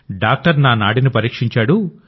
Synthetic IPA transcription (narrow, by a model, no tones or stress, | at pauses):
ɖaːk̚ʈɐɾnaːnaːɽinipɐɾiːkʂiɲt͡ʃaːɽu